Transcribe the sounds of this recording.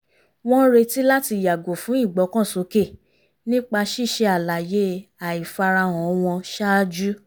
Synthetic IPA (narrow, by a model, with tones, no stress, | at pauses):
w̃ɔ̃˦ɾe˧ti˦la˦ti˧ja˨ɡo˨fũ˨˦i˦˨ɡ͡bɔ˨˦kɔ̃˦˨so˨˦ke˦˨ | nĩ˦k͡pa˧ʃi˦˨ʃe˧a˨la˨je˨˦a˨i˨fa˧ɾa˧w̃ɔ̃˨˦w̃ɔ̃˧ʃa˦d͡ʒu˦